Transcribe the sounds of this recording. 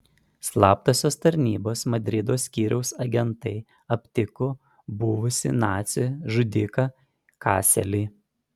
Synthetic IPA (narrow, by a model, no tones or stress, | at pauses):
slˠɑːp̚t̪oːsʲoːst̪ɐɾʲnʲiːboːsmɐd̪ʲɾʲɪd̪oːsʲkʲiːɾʲʔɛʊsɐɡʲɛnt̪ɐɪ | ɐpʲt̪ʲɪko | bʊʋʊsʲɪ̰nɑːt̪sʲɪʒʊd̪ʲɪkɑ | kɑ̰ːsʲɛlʲiː